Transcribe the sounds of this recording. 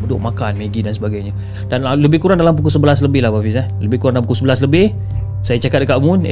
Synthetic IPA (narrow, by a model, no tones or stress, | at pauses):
mədʊʔ̚makanmeɡidansəbaɡajɲə | d̥anləbɪhkuɾaŋdalamp̬ukusəbəlas̬ləbɪhlahbafis̬aləbɪhkuɾaŋdalampukusəbəlasləbɪh | sajat͡ʃakat̪̚dəkaʔmun̰